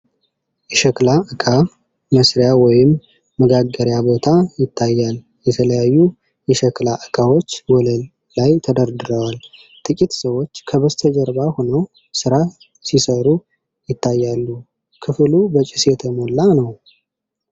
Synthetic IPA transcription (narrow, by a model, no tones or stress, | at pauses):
ʔɛʃəklaʔɨkʰa | məsɾjawɔjɪmː | əɡaɡːəɾjabo̞t̪ʰajɪt̪ʰːajːal | jɛt̪ʰələjajːu | jɛʃəklaʔɨkʼʰawo̞t͡ʃːwɔləlː | ajt̪ʰəd̪əɾd̪ɨɾəwal | t̪ʰʼɨkʼit̪səwot͡ʃːkʰəβəst̪ʰəd͡ʒəɾbahonəw | sɨɾa | sisəɾu | jɪt̪ːajːalːu | kʰɨflubət͡ʃʼɪsjɛt̪ʰəmolːanəw